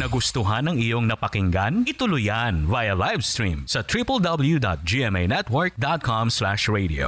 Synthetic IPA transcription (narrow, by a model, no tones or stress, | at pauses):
nɐɡʊst̪ʊɦanɐŋɪjoŋnɐpɐkɪŋɡanɪt̪ʊlʊjanvajɐlajvst̪ɹḭmsɐt̪ɹipɐld̪ɐbɛlˠjud̪a̰t̪̚d͡ʒiɛmejnɛt̪wɔɹk̚d̪at̪̚kʰamslaʃɹejd̪io̰